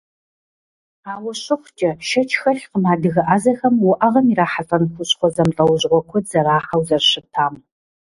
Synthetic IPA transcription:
aːwʊɕʊχʷt͡ʃʼɐʃɐt͡ʃʰxɐɬqəmaːdɨɣɐʔazɐxɐmwʊʔɐʁɐmiɾaːħasʼɐnχʷʊɕχʷɔzɐmɬʼɐwʑʁʷɔkʷʰʊz̥ɐɾaːħɐwzɐrɕɨtʰaːm

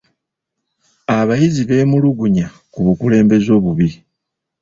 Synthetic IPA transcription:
aβajiziβe̞ːmuluɡuɲa | kuβukule̞ːmbe̞zo̞ːβuβi

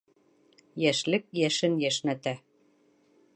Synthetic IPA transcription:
jæʃlɘ̆k̚jæʃɘ̆njæʃnæt̪æ

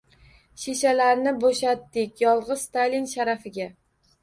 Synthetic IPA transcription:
ʃeʃalaɾnɪboʃat̪ːɪkʲjɒlˠʁɨzst̪ajlʲinʃaɾafɪɡʲa

